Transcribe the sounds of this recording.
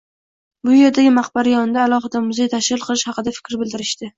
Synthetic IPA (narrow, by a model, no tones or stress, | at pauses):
bʊje̞ɾd̪aɡʲɪmɑχbaɾajɒnɪd̪aːlˠɒχɨd̪amʊzejt̪ʰaʃɾɪlˠqʰɨlˠɪʃhɑqɨd̪afɪ̥kʲɾbɪld̪ɪɾɪʃt̪ɪ